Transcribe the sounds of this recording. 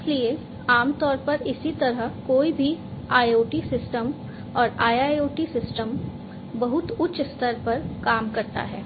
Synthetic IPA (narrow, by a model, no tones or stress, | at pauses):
ɪslie | aːmt̪ɔːɾpɐɾɪsit̪ɐɾəɦkoːibʱiaːjoːʈisɪsʈəm | ɔːɾaːjaːjoːʈisɪsʈəm | bɐɦʊt̪ʊtːʃst̪əɾpɐɾkaːmkɐɾt̪a̰ɦɛ̰ː